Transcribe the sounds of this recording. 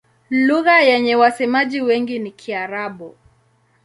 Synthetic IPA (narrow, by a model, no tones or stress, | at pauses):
luɣajɛɲɛwasɛmaʄiwɛŋɡinikʰiaɾaɓu